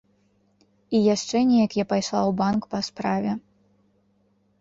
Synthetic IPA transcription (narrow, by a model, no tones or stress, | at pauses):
ijaʂt͡ʂɛnʲɛjɐkjapajʂlˠawbankpɐspɾavʲɛ